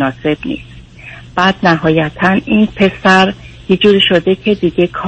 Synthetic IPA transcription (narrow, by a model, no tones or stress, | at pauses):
nɒːse̞b̥nḭːs | b̥æːd̪næɦɒːjæt̪ʰæniːnpʰe̞sæɾjid͡ʒuːɾiːʃo̞d̪e̞cʰe̞d̪iɟe̞kʰɒ